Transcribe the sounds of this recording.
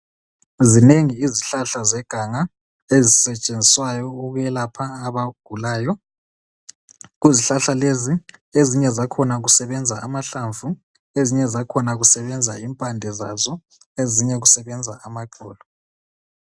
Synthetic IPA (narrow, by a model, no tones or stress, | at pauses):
zineŋiːziɬaɬazɛɡ̥ʱaŋa | ezisɛt͡ʃʼend͡zʱiswajɔuɣujɛlapʰaːβaɡ̥ʱulaːjɔ | ɣuziɬaɬalezieziɲɛzakʰɔnaɣusɛβɛnd͡zʱaamaɬaɱvʱu | eziɲɛzakʰɔnaɣusɛβɛnd͡zʱaimpʼandʱɛzazɔ | eziɲɛɣusɛβɛnd͡zʱaamaǃɔːlɔ